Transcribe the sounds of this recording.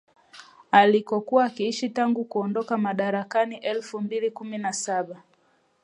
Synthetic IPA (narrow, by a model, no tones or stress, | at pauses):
alikɔkuwaːkiiʃitaŋɡukuɔndɔkamaɗaɾakaniʔɛlfumbilikuminasaɓa